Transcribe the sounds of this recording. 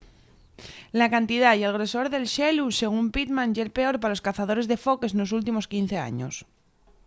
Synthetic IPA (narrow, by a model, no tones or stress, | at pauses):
lakant̪iðajelɣ̞ɾe̞so̞ɾðe̞lʃeluse̞ɣ̞umpit̪mãnʝelpe̞o̞ɾpaloskaθað̞o̞ɾe̞zðe̞fo̞ke̞sno̞s̬ult̪imo̞skin̟θe̞a̰ɲo̰s